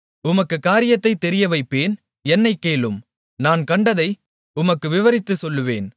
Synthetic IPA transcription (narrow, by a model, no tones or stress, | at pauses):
ʊmɐkːɯkaːɾɪjɐt̪ːɐɪt̪ːɛɾɪjɐʋɐɪpːeːn | ɛnːɐɪkːeːlɯm | naːnkɐɳɖɐðɐɪ | ʊmɐkːɯʋɪʋɐɾɪt̪ːɯsɔlːɯʋḛːn